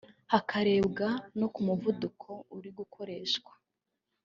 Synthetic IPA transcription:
hakʰaɾe̞ːbɡano̞kumuvudukʰo̞uɾiɡukʰoɾe̞ːʃkwḁ

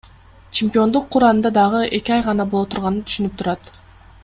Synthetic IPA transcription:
t͡ʃʰɪmʲpʲio̞nd̪uqʰːuɾɑnɯnd̪ɑd̪ɑʁɯʔe̞kʲiɑjʁɑnɑbolˠot̪ʰuɾʁɑnɯnt̪ʰy̥ʃynyp̚t̪ʰuɾɑt̪

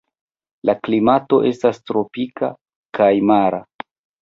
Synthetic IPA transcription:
laklimato̞ʔe̞stastɾo̞pika̰ | kajmaɾa

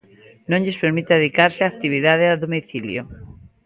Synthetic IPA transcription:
nõɲʎespeɾmit̪aðeðikaɾseak̚t̪iβ̞iðað̞eaðomiθiljo̰

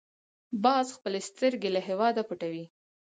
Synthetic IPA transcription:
bɑzxpəlest̪əɾɡelaɦewɑd̪apuʈawi

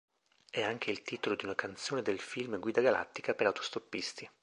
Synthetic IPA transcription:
ɛaŋk̟eilt̪iːt̪olod̪iunakant̪soːned̪elfilmɡwiːd̪aɡala̰t̪ːikapeɾawt̪ʰo̥st̪opːist̪i

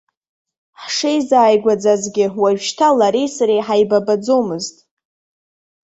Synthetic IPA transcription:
ħʂejzaːjɡʷad͡zazɡʲɪwaɥʃtʰalaɾejsaɾejħajbabad͡zomɨztʼ

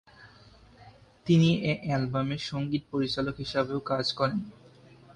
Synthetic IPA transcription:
t̪iniʔeʔɛlbameɾʃoŋɡit̪̚poɾit͡ɕalokɦiʃabeokad͡ʑkɔɾen

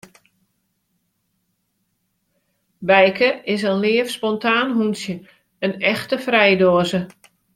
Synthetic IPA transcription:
bɛjkəɪs̬ənlɪəfspɔntʰaːnɦunsjə | ənɛxtəfrɛjdoəzə

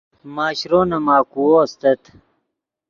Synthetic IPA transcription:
maːɕɾoːnɐmaːkuwoːst̪ɐt̪

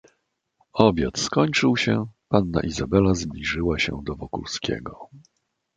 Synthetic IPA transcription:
ɔbʲjat̪skɔɲt͡ʂɘwɕɛpanːa̰ʔizabɛlazblʲiʐɘwaɕɛ̰d̪ɔvɔkṵlskʲɛ̰ɡɔ

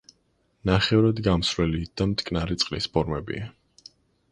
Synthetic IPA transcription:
naχɛuɾad̪ɡamsɾwɛlit̪̚ʰd̪̥amt̪ʼkʼnaɾit̪sʼqʼlispʰɔɾmɛbḭa

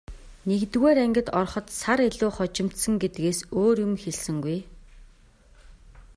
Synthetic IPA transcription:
nekt̪ɣeːɾæŋɡʲə̆t̪ɔrχɞ̆t̪saɾeɮʊːχɔt͡ɕɪ̆m̥t̪sə̆ŋɡet̪ɡeːsoːrjʊ̆mxeɮsɘ̆ŋɡuj

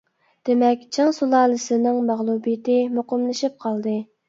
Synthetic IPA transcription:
d̪̥emɛkʲt͡ʃʰɑŋsulˠɑːlˠɨsɪnɪŋmæʁlˠubijɪt̪ɪmoqʊmlˠɨʃip̚qʰɑlˠd̪ɨ

